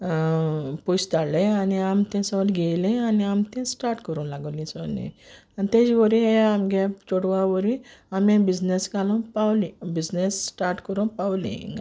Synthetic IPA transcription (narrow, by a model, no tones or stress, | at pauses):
pust̪alẽaniamt̪ɛ̃sɔlɡejlĩaniamt̪ɛ̃sʈaɾʈkɔɾũnlaɡolĩsɔlḭ̃anit̪ed͡ʒiʋɔɾĩeamɡɛpt͡ʃoɽʋaʋəɾĩamẽbid͡znesɡʱalɔ̃pawlibid͡znesːʈaɾʈkɔɾũpawlḭ̃ŋ